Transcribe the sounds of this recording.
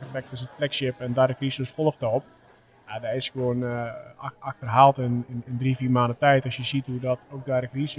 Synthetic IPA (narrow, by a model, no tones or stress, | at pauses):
əflɛk̚tɪsətflɛksjɪpɛndaɾəkrisosfolˠxdəop̚ | jadaɪsɡəʋoən | axtərɦaːlˠtɪnnəndrifiːrmaːndətɛjtɔsjəsithudɔtok̚daɾəkris